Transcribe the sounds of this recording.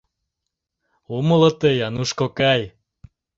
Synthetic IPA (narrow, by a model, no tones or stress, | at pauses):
uməlɤ̆t̪ejɑnuʃkokɑj